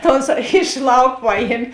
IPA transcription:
tɐ ˈoːnˌsɑː ɪʃ ˈlˠɐʊk ˈpɑːˌjiɛmʲ

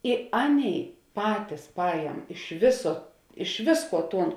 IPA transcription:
ɪ ˈɑːˌnʲeːɪ ˈpɑːtʲɪs ˈpɑːjɛm ɪʃ ˈʋʲɪsoː ɪʃ ˈʋʲɪsˌkuɔ ˈtuːn

